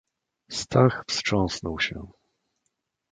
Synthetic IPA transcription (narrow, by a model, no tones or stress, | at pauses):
st̪axfstʂɔ̃ñsnɔwɕɛ̰